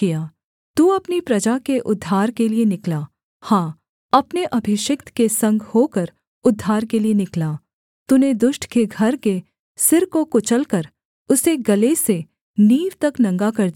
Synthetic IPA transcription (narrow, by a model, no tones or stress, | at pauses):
kijaː | t̪uːɐpnipɾɐd͡ʒakeʔʊd̪ʱːaːɾkelienɪkla | hãː | ɐpneʔɐbʱɪʃɪkt̪kesɐ̃ŋɡhoːkəɾ | ʊd̪ʱːaːɾkelienɪklaː | t̪uned̪ʊʃʈkeɡʱɐɾke | sɪɾkokʊt͡ʃəlkɐɾ | ʊseɡɐlese | niːʋt̪ɐknɐ̃ŋɡakɐɾd̪i